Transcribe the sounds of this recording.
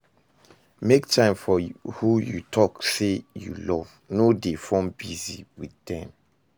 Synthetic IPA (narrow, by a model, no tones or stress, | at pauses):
mek̚tʰãɪ̃mfɔhujutʰɔksejṵlɔv̥ | nodefɔ̃mbiziwiðdɛ̃m